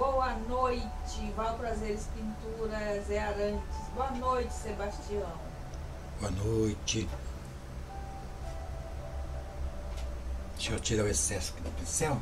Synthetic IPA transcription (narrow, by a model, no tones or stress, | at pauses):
bowɐnojt͡ʃɪvawpɾazeɾɪspĩnt̪uɾɐzɛaɾɐ̃t͡ʃɪsboɐnojt͡ʃɪ̥sebast͡ʃiɐ̃w̃ | boɐnojt͡ʃɪ | sot͡ʃiɾɐwesɛsʊ̥kd̪ɐpĩsẽw̃